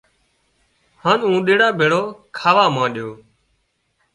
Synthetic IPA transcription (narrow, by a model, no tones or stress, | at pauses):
haːnũːɗeːɽaːbʱeːɽoːkʰaːʋaːmãːɗɪjoː